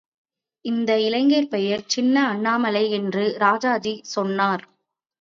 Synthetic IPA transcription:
ɪnd̪ɐɪlɐɪŋɡeːɾpɛjɐɾt͡ʃɪnːɐːɳːaːmɐlɐɪɛndrɯɾaːd͡ʒaːd͡ʒisɔnːaːɾ

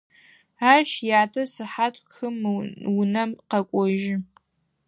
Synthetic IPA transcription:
aːʃjaːtʰɐsɨħatʼxɨmwnɐmqɐkʷʼɔʒɪ

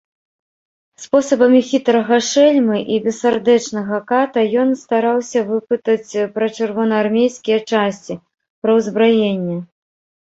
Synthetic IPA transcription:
spɔsɐbɐmʲixʲit̪ɾɐɣɐʂɛlʲmɨʔibʲɛsard̪ɛt͡ʂnɐɣɐkat̪ɐjɔnst̪aɾawsʲɐvɨpɨt̪ɐt͡sʲpɾɐt͡ʂɨrvɔnɐːrmʲejskʲijɛt͡ʂasʲt͡sʲi | pɾɐwzbɾajenʲːɛ

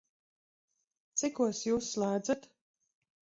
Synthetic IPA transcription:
t̪sikuɔsjuːsːlˠaːd̪zat̪

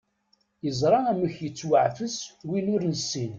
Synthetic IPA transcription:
jəzˤɾˤɑæməçjət͡sːwəʕfəswinʊɾnəsːin

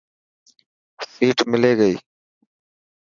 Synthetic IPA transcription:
siːʈmɪleːɡəiː

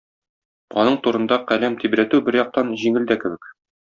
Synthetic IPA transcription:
ɒ̰nɤɴt̪uɾɤ̆nd̪ɑqælæmt̪ibɾæt̪ʉbɘɾjɒq̚t̪ɑnʑiŋɘ̆ld̪ækɘ̆bɘk

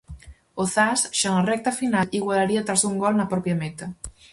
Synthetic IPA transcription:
oθasʃanarɛk̚t̪ɐfinaliɣwalaɾiat̪ɾazuŋɡɔlnɐpɾɔpjamet̪ɐ

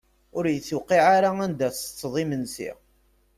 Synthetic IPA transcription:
ʊɾjəθːuqiʕaɾaænd̪æst͡sːðˤimənsḭ

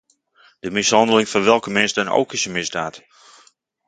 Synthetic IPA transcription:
d̥əmɪsɦɑndəlɪŋfɔrʋɛlˠkəmɪnsdəno̰wkɪsəmɪzdaːt

